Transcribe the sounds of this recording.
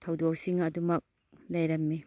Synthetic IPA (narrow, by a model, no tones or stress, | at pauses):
tʰɐwdok̚siŋɐdumɐk̚ | lɐjɾɐmːi